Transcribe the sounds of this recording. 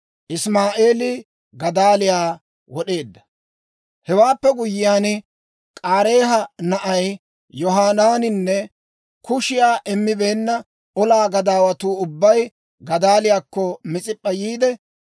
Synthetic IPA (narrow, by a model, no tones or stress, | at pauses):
ʔɪsmaːʔe̞ːlɪ | ɡɐd̪aːlɪjaː | wɔɗe̞ːd̪ːɐ | hɛwaːpːɛɡʊjɪjaːn | kʼaːɾe̞ːɦɐnɐʔɐj | jɔɦaːnaːnɪnːɛ | kʊʃɪjaːʔɛmːɪbe̞ːnːɐ | ɔlaːɡɐd̪aːwɐt̪uːʊbːɐj | ɡɐd̪aːlɪjaːkːɔmɪt͡sʼɪpʼːɐjiːd̪ɛ